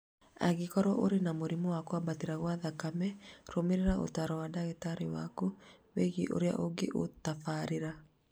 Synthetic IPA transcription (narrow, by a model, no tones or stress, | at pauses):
a̰ɣikɔɾɔʔoɾenamoɾimɔwakwabatiɾaɣwaðakamɛɾomeɾeɾaʔo̰taɾɔwadaɣitaɾiwa̰kuweɣiʔo̰ɾea̰ʔoɡḛʔotafaɾeɾa